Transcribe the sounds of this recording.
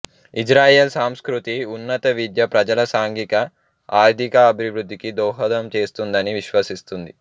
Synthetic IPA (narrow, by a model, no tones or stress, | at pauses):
id͡ʒɾaːjeːlsaːmskɾut̪iunːɐt̪ɐʋid̪jɐpɾɐd͡ʒɐlɐsaːŋɡikɐ | aːɾd̪ʱikɐːbʱiʋɾud̪ʱːikid̪ɔːɦɐd̪ɐmt͡ʃe̞ːst̪und̪ɐniʋiʃʋɐsist̪und̪i